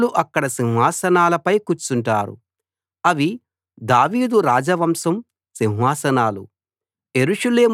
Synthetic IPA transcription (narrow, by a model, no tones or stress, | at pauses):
luʔɐkːɐɽɐsinɦaːsɐnaːlɐpɐjkut͡ʃːuɳʈa̰ːɾṵ | ɐʋi | d̪aːʋiːd̪uɾaːd͡ʒɐʋɐmsɐm | sinɦaːsɐnaːlṵ | eɾuʂɐle̞ːm